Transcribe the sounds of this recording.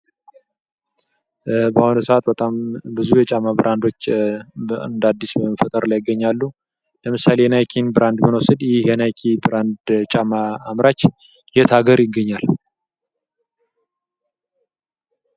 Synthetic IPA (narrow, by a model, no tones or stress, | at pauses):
bahonəsəat̪bət̪ʼambɨzujɛt͡ʃʼamabɨɾʔand̪o̞t͡ʃː | nd̪ad̪ːisbəməfət̪ʼəɾlajɪɡːəɲːalːu | ləmɨsalejɛnajkʰinbɨɾʔand̪mənwosɨd̪jɪhjɛnajkʰibɨɾand̪t͡ʃʼamaːmɾat͡ʃː | jɛt̪ʰaɡəɾjɪɡːəɲːal